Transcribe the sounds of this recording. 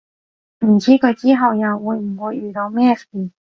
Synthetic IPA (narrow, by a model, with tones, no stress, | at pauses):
m̩˨˩t͡siː˥kʰɵ˨˧jt͡siː˥ɦɐ˨wjɐ˨˩wwuː˨˧jm̩˨˩wuː˨˧jyː˨˩t̪o˨˧wmɛː˥siː˨˩